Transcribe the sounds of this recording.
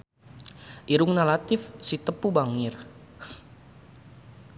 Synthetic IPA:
ʔiɾuŋnalat̪ɪfsit̪əpubaŋɪr

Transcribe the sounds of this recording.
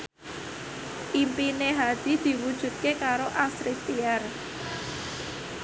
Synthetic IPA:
ʔimpineɦad̪̥i̤d̪̥i̤wud̥ʒ̥ṳt̪̚kekaɾoʔasɾit̪iar

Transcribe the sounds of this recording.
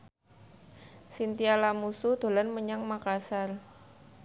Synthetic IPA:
sint̪ialamusud̪̥o̤lanməɲaŋmakasal

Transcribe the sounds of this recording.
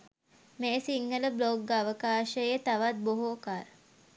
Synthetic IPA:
meːsiŋːələbloɡ̚ɡaʋəkaːʃəjet̪aʋat̪̚boɦoːkaːɾ

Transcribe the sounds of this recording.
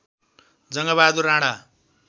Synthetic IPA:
d͡zʌŋɡaβad̪uɾãɽa

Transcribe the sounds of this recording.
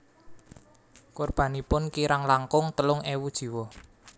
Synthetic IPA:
korb̥ä̤nipʊnkiɾaŋlaŋkʊŋt̪əlʊŋewud̥ʒ̥i̤wɔ

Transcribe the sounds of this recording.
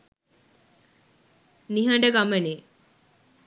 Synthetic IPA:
niɦɐɳɖəɡamɐne

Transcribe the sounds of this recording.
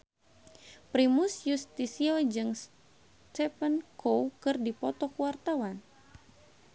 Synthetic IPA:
pɾimusjust̪isiɔd͡ʒɨŋs | t͡ʃɛpənkʰowkɨrdipɔt̪ɔkuwart̪awan

